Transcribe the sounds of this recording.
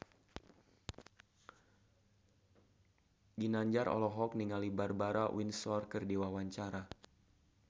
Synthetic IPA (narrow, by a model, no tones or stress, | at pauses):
ɡinaɲd͡ʒaɾɔ̰lɔɦɔk̚niŋalibarbaɾawinsɔrkərdiwawaɲt͡ʃaɾa